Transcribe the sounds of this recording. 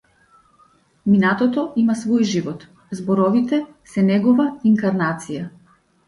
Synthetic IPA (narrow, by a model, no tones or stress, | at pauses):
minat̪ɔt̪ɔimasvɔjʒivɔt̪ | zbɔɾɔvit̪ɛ | sɛnɛɡɔvaiŋkaɾnat̪sija